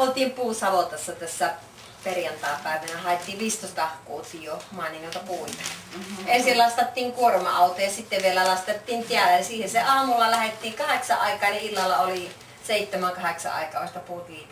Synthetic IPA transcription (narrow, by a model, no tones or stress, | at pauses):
olt̪iːmpuːsɑʋot̪ɑsːɑt̪æsːæ | perjɑnt̪ɑˑːpæˑeʋænæhɑˑet̪ːiːʋʋiːst̪oˑst̪ɑhkuːsijjomɑːniŋolt̪ɑpuit̪ɑ̥ensillɑst̪ɑt̪ːiːŋkuormɑɑˑut̪ojɑsit̪ːeʋʋielælɑst̪et̪ːiːnt̪iælːæjɑsiːheseʔɑːmulːɑlæhet̪ːiːŋkɑheksɑʔʔɑˑikɑːniʔilːɑlːɑoli | seˑit̪ːemæŋkɑheksɑ̰ʔɑ̰ˑikɑ̰ːˑoˑst̪ɑpuːt̪ʋiːt̪